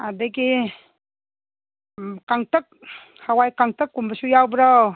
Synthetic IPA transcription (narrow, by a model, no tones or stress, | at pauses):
adəɡi | kaŋtək̚ | hawajkaŋtɯkːumbəsujawbɾaw